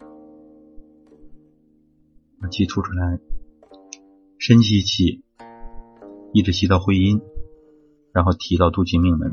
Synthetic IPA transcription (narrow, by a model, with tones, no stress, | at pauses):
na˧˥˩t͡ɕʰi˥˩t̪ʰu˥˩ʈ͡ʂʰu˥la˧˥ɪ | ʂə˥nt͡ɕʰi˥˧i˧˩t͡ɕʰi˨˩ | i˥˩ʈ͡ʂɻ̩˧˥ɕʰi˧˥t̪ɑ˥˩ʊxwe˥ɪi˥n | ɻa˧˥nxo˥˩ʊt̪ʰi˧˥t̪ɑ˥˧ʊt̪u˥˩t͡ɕi˥˧mi˥˩ŋmə̰˧˥n